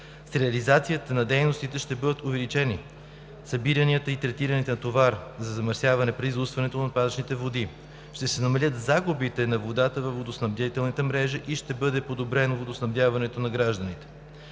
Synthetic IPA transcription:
sɾɛɐlizat̪sijət̪ənɐd̪ɛjnost̪it̪ɛʃt̪ɛbɤd̪ət̪ovɛlit͡ʃɛni | sɐbiɾɐniət̪əit̪ɾɛt̪iɾənit̪ɛnɐt̪ovaɾzɐzɐməɾsjavɐnɛpɾɛizust̪vɐnɛt̪onɐpazət͡ʃnit̪ɛvod̪i | ʃt̪ɛsɛnɐmɐlʲət̪zaɡubit̪ɛnɐvod̪at̪əvəfvod̪osnɐbd̪ʲat̪ɛlˠnit̪əmɾɛʒəʔiʃt̪ɛbɤd̪ɛpod̪obɾɛnvod̪osnɐbd̪javɐnɛt̪onɐɡɾaʒd̪ənit̪ɛ̥

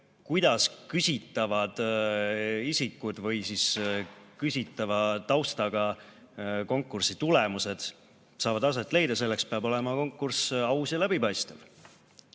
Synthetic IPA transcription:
kujd̪̥ɑskysʲit̪ːˑɑvɑd̪̥ | isʲikːˑud̪̥vɤjsiskysʲit̪ːˑɑvɑt̪ɑwst̪ɑɡ̥ɑ | ko̞ŋkːˑursit̪ulemuse̞d̪̥ | sɑːvɑd̪ɑs̬e̞t̪ːˑle̞jd̪̥ɑse̞lːekspeɑbo̞le̞mɑko̞ŋkːˑursɑwsɑlæbipɑjst̪ev

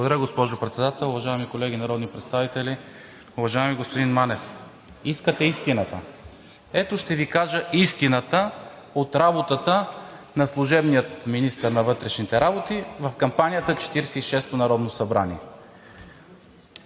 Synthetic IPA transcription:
bˠɡod̪ɐɾjəɡospɔʒopɾɛt̪sɛd̪at̪ɛlˠʊvɐʒaɛmikolɛɡʲinɐɾɔd̪nipɾɛt̪st̪avit̪ɛlʲi | ʊvɐʒaɛmiɡospod̪inmanɛf | iskət̪ɛist̪inət̪ə | ɛt̪oʃt̪ɛvikaʒəist̪inət̪ə | ot̪ɾabot̪ət̪ənɐslˠʊʒɛbnijət̪minist̪əɾnɐvɤt̪ɾɛʃnit̪ɛɾabot̪ivɐfkɐmpanʲijət̪ət͡ʃɛ̥t̪iɾɛsɛiʃɛst̪onɐɾɔd̪nosɐbɾa̰nʲḭɛ

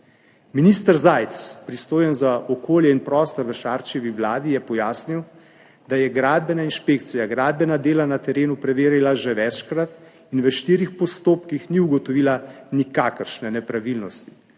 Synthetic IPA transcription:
minist̪əɾzajt̪spɾist̪oːjɛnzaʔɔkoːljɛinpɾɔːst̪ɔɾʋəʃaːɾt͡ʃɛʋiʋlaːd̪ijɛpɔjaːsniw | d̪ajɛɡɾaːd̪̚bɛnainʃpeːk̚t̪sijaɡɾaːd̪̚bɛnad̪eːlanat̪ɛɾeːnupɾɛʋeːɾilaʒɛʋɛt͡ʃkɾat̪ | inʋəʃt̪iːɾixpɔst̪oːpkixniuɡɔt̪ɔʋiːlanikaːkəɾʃnɛnɛpɾaʋilnɔst̪i̥

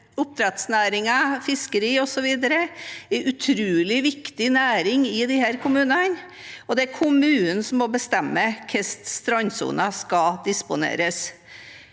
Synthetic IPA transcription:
ʊp̚t̪ʰɾɛt̪snæːɾɪŋɑfɪskəɾiːɔsɔʋiːd̪əɾəɛɾʉt̪ʰɾʉːlɪʋɪkt̪ɪnæːɾɪŋɪd̪ɪhæːɾkʰʊmʉːnɑn | ɔd̪ɛæɾkʰʊmʉːnsɔmːɔbəst̪ɛmːəkʰɛst̪st̪ɾɑnsṵːnɑskɑd̪ɪspʊnḛːɾəs

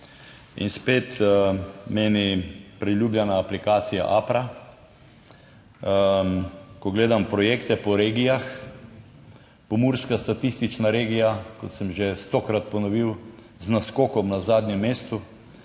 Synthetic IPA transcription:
ḭnspeːt̪ | meːnipɾiljuːblʲjanaːplikaːt̪sija̰ʔaːpɾa | kɔɡleːd̪ampɾɔjeːkt̪ɛpɔɾeːɡijax | pɔmuɾskast̪at̪ist̪it͡ʃnaɾeːɡijakɔt̪sɛmʒest̪okɾat̪̚pɔnɔʋiw | znaskoːkɔmnazaːd̪nʲjɛmːeːst̪u

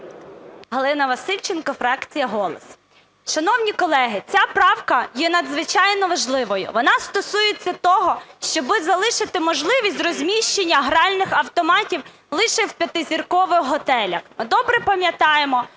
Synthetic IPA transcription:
ɦɔlˠɪnɐʋɐsɪlʲt͡ʃenkɔfɾɑkt͡sʲijɐɦɔlˠɔs | ʃɐnɔwnʲikɔlˠɛɦɪt͡sʲapɾɑwkɐjɛnɐd̪zʋɪt͡ʃɑjnɔʋɐʒlˠɪʋɔjʊ̰ʋɔnɑst̪ɔsujɪt͡sʲːɐt̪ɔɦɔʃt͡ʃɔbɪzɐlˠɪʃɪt̪ɪmɔʒlˠɪʋʲisʲtʲrɔzʲmʲiʃt͡ʃenʲːɐɦɾɑlʲnɪxɐwt̪ɔmɑtʲiw | lˠɪʃɛwpʲjɐt̪ɪzʲirkɔʋɪxɦɔt̪ɛlʲɐxmɪd̪ɔbɾɛpɐmʲjɐt̪ɑjemɔ

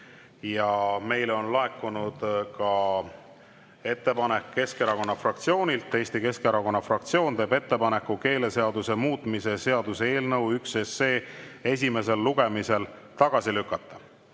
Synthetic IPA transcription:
jɑme̞jlo̞nlɑe̞kːˑunud̪̥kɑ | e̞t̪ːe̞pɑne̞kːe̞skeɾɑko̞nːɑfrɑkt̪sio̞ːnʲilt̪ːe̞ːsʲt̪ike̞skeɾɑko̞nːɑfrɑkt̪sio̞ːnt̪e̞ːbe̞t̪ːepɑne̞kːuke̞ːle̞se̞ɑd̪use̞muːt̪ˑmise̞se̞ɑd̪usee̞ːlnɤwykse̞sːe̞ːe̞s̬ʲime̞s̬e̞lːuɡ̥e̞mise̞l | t̪ɑɡ̥ɑsilykːˑɑt̪ːˑɑ

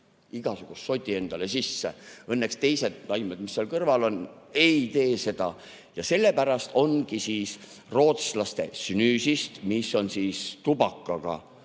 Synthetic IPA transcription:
iɡ̥ɑsuɡ̥ust̪so̞t̪ʲːie̞nd̪̥ɑle̞sisːeɤnːe̞kst̪e̞jse̞d̪̥nɑjmed̪misːeɑlkɤrvɑlo̞n | e̞jt̪e̞ːse̞d̪̥ɑ | jɑse̞lːe̞pæɾɑst̪o̞nɡ̥isiːs | ro̞ːt̪slɑst̪e̞synyːsist̪misːo̞nsiːst̪ubɑkːɑɡ̥ɑ̰

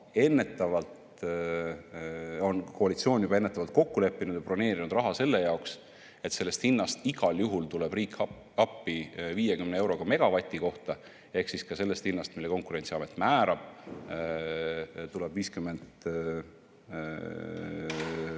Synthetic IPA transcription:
e̞nːe̞t̪ːˑɑvɑlt̪ | o̞nkoɑlit̪sio̞ːnjub̥ɑe̞nːet̪ːˑɑvɑlt̪̚ko̞kːule̞pːinud̪̥jɑpro̞ne̞ːɾinud̪rɑɦɑse̞lːe̞jɑoks | e̞t̪se̞lːest̪hinːɑst̪iɡ̥ɑljuɦult̪ulebriːk | ɑpːiviːjekymnee̞wɾo̞ɡ̥ɑme̞ɡ̥ɑvɑt̪ʲːˑiko̞ht̪ɑ | e̞hksiskɑse̞lːe̞st̪hinːɑst̪milːe̞ko̞ŋkˑuɾe̞nt̪siɑmet̪ːˑmæːɾɑb̥ | t̪uleb̥viːskymːe̞nd̪̥

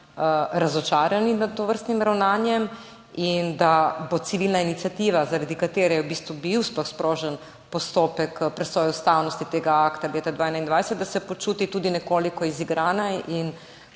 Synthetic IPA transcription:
ɾazɔt͡ʃaːɾjaninad̪t̪oʋəɾst̪nimɾawnaːnjɛm | ind̪abot̪siʋilnainit̪sijat̪iːʋazaɾad̪ikat̪eːɾɛjɛwbiːst̪ʋubiwsplɔxspɾʔoːʒɛn | pɔst̪oːpɛkpɾɛsɔːjuust̪awnɔst̪it̪eːɡaakt̪aleːt̪ɛd̪ʋaːjnaind̪ʋajsɛt̪d̪asɛpot͡ʃuːt̪it̪uːd̪inɛkoːlikɔiziɡɾʔaːnaʔin

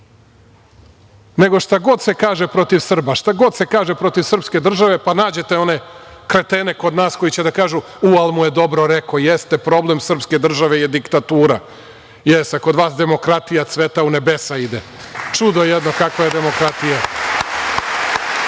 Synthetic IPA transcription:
ne̞ɡo̞ʃt̪aɡo̞d̪se̞kaːʒepɾo̞t̪iʋsr̩baʃt̪aɡo̞d̪se̞kaːʒepɾo̞t̪iʋsr̩pske̞d̪r̩ʒaʋe̞panaːd͡ʑe̞t̪e̞o̞ne̞kɾet̪ene̞ko̞d̪naːsko̞jit͡ɕe̞d̪akaːʒu | ualˠmuje̞d̪o̞bɾo̞ɾekojest̪epɾo̞ble̞msr̩pske̞d̪r̩ʒaʋe̞jed̪ikt̪at̪uːɾa | jesakod̪ʋaːsd̪e̞mo̞kɾat̪ijat̪sʋet̪aune̞be̞said̪e | t͡ʂud̪oejed̪no̞kakʋajed̪e̞mo̞kɾat̪ija

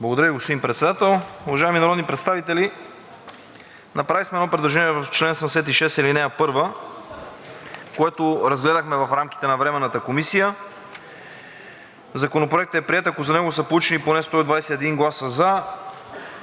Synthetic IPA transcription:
blˠɐɡod̪ɐɾəviɡospod̪impɾɛt̪sɛd̪at̪ɛlˠʊvɐʒaiminɐɾɔd̪nipɾɛt̪st̪avit̪ɛli | nɐpɾavismɛd̪ɔpɾɛd̪lˠɐʒɛniɛvɐft͡ʃlɛnsəmd̪ɛsɛt̪iʃɛst̪ilinɛɐpɤɾvə | koɛt̪oɾɐzɡlɛd̪əxmɛvɐfɾamk̟i̥t̪ɛnɐvɾɛmɛnːət̪əkomisijə | zɐkonopɾoɛk̚t̪əɛpɾiɛt̪ɐkozɐnɛɡosəplˠut͡ʃɛniponɛst̪ɔid̪vajsɛt̪ːɛd̪iŋɡlˠasəza

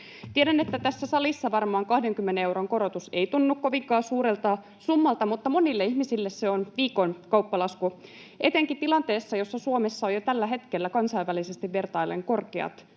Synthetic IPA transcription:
t̪ieɾæne̞t̪ːæt̪æsːæsɑlisːɑʋɑrmɑːŋkɑhde̞ŋkymːeneewɾo̞ŋko̞ɾo̞t̪use̞it̪unːukko̞ʋiŋkɑːsuːɾelt̪ɑː | sumːɑlt̪ɑmut̪ːɑmo̞nilːeihmisilːesseonʋiːko̞nkɑupːɑlɑsku | ʔet̪eŋkit̪ilɑnt̪e̞ːsːɑjo̞sːɑsuomesːɑojot̪ælːæɦe̞t̪kelːækɑnsɑjʋælisest̪iʋʋe̞rt̪ɑjlːḛŋko̞rkeɑ̰t̪

